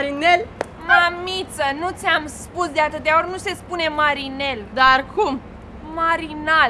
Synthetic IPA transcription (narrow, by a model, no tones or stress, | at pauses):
ɾinel | mamit̪sənut̪sʲamspusd̪eat̪ɨt̪̚d̪aornuse̞spune̞maɾine̞ld̪arkum | maɾinal